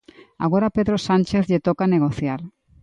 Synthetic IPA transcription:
a̰ɣ̞oɾapeðɾosanʲt͡ʃeθʎet̪okaneɣ̞oθjaɾ

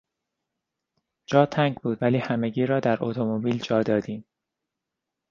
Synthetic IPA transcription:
d͡ʒɒːt̪ʰæŋɟbuːd̪væliːhæme̞ɟiːɾɒːd̪æɾʔo̰t̪ʰomobiːld͡ʒɒːd̪ɒːd̪iːm

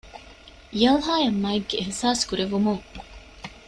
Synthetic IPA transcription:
jɐlɦaːjɐmːɐiɡːeːɦsaːskuɾeʋumuŋ

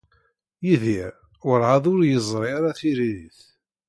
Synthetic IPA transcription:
jiðiɾ | wəɾʕaðˤʊɾjəzˤɾˤiaɾaθiɾiðiθ

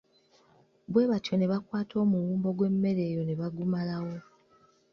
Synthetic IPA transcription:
bwe̞ːβatjo̞ne̞βakwaːtʰo̞ːmuwuːmbo̞ɡwe̞mːe̞ɾe̞ːjo̞ne̞βaɡumalawo̞

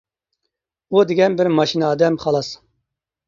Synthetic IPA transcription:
ud̪ɪɡʲɛnbɪɾmɑʃinɑːd̪ɛmχɑlˠɑs

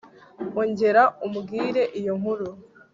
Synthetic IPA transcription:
oɲɟe̞ɾaumuɡiːɾe̞ʔijoŋhuɾu

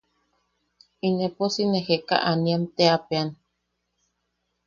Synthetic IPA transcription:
ineposineheka̰ʔaniamt̪eapean

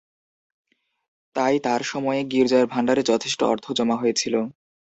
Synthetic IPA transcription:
t̪ajt̪aɾʃɔmɔeeɡiɾd͡ʑaeɾbʱaɳɖaɾed͡ʑɔt̪ʰeʃʈo̰ɔ̰ɾt̪ʰod͡ʑɔmaɦojet͡ɕʰilo

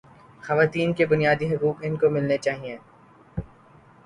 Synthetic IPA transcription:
xɐʋaːt̪iːnkebʊnijaːd̪iɦʊkuːkɪnkomɪlnet͡ʃaːɦiẽː

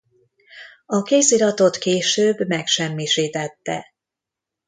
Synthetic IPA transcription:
ɒkeːsiɾɒt̪o̞t̪keːʃøːbmɛkʃɛmːiʃiːt̪ɛt̪ːɛ̰

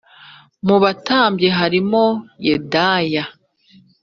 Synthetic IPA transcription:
muβataːmbje̞ɦaɾimojedaːja

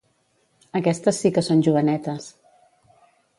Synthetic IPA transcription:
əkɛst̪əsːikəsonʲʒuβənɛt̪əs

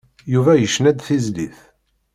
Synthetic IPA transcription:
juvæjəʃːnæd̪θizlḭθ

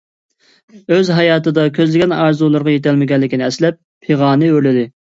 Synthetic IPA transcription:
øzɦɑjɑːt̪ɨd̪ɑkʲʰøzlɪɡʲɛnɑɾzulˠəɾʁɑjet̪ʰɛlmɪɡʲɛnlːɪkʲinɪɛslɛpʰːeʁɑːnɨølɪd̪ɪ

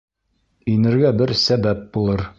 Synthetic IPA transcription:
inɘ̆ɾɡæbɘɾsæbæp̚bulˠɤɾ

